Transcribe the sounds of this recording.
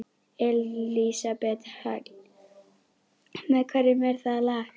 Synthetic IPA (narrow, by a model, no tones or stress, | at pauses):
ɛlisabɛt̪ha | mɛðkʰɛɾɪmɛɾ̥θaðla